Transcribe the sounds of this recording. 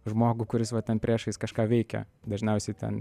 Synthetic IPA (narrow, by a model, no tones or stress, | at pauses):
ʒmoːɡuːkʊɾʲɪsʋɐt̪ʲɛnpʲɾʲiɛʃɐɪskɐʃkɑːʋʲɛɪkʲɛ̰d̪ɐʒʲnʲɛʊsʲɛɪt̪ʲɛ̰n